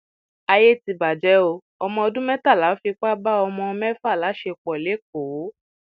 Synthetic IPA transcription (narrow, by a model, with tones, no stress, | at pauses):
a˧je˦ti˧ba˨d͡ʒɛ˨˦o˧ | ɔ˧mɔ̃˧ɔ˧dũ˦mɛ˦ta˦˨la˨˦fi˧k͡pa˦ba˦ɔ˧mɔ̃˧ɔ˧mɛ˦fa˦˨la˨˦ʃe˧k͡pɔ˨le˨˦k̚o˨˦